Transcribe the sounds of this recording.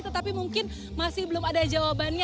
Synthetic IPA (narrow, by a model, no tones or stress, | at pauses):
t̪ət̪apimuŋkɪn | masɪhbəlʊmadad͡ʒawabanɲa